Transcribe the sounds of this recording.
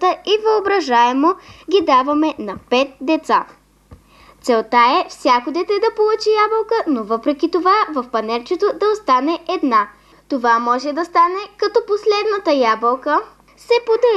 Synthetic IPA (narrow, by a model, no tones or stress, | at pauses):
t̪əivɐobɾɐʒaɛmoɡʲid̪avɐmɛnɐpɛt̪̚d̪ɛt̪sa | t̪sɛlˠt̪aɛfsʲjakod̪ɛt̪ɛd̪ɐpolˠut͡ʃijabəlˠkənovɤpɾɛkʲit̪ovavəfpɐnɛlt͡ʃɛt̪od̪ɐost̪anɛɛd̪na | t̪ovamɔʒɛd̪ɐst̪anɛkɐt̪ɔposlɛd̪nət̪əjabəlˠkə | sɛpod̪ɐ